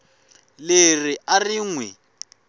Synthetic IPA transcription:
leriariːŋwɛ

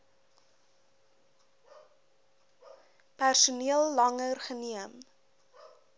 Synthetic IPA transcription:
pærsuniəlˠːɐŋərχəniəm

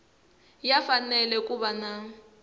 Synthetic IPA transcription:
jafanɛlɛkʼuβana

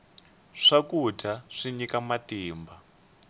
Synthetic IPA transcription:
ʂakutʰaʂiɲikamatiːmba

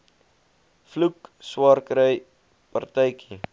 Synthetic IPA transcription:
flukswɑːrkɾəj | pɐ̰rtəjkʰi

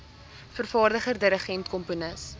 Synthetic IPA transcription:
fərfɑːrdəχərdəɾəχɛntkɔmpunəs

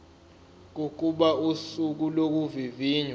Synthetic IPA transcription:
k̬ok̬ʼuɓausuk̬ulok̬uviviːɲa

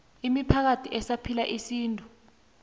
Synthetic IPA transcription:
imipʰak̬atʰiʔɛsapʰilaʔisiːntʼu

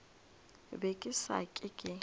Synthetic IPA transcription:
bekʼɪsa̰kʼɪkʼɪ

